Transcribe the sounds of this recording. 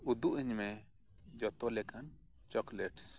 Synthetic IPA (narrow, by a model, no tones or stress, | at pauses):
ud̪uʔiɲmɛ | d͡ʒɔt̪ɔlɛkan | t͡ʃɔklɛʈs